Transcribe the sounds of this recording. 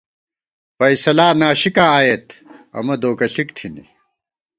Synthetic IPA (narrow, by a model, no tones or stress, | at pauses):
fɐjsɐlaːnaːɕikãːaːjet̪ɐ̰mɐd̪oːkɐɬikt̪ʰinḭ